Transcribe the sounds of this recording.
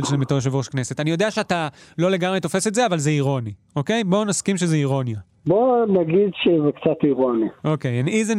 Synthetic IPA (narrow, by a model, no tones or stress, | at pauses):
lʃemetoeʃ̬evoʃkne̞se̞tanijo̞de̞aʃeatalo̞le̞ɡamʁeto̞fe̞setze̞avalzeiʁo̞ni | o̞ke̞jbo̞naskimʃezeiʁo̞nja | bonaɡid̪ʃezekt͡sat̪iʁoniʔo̞kejnizen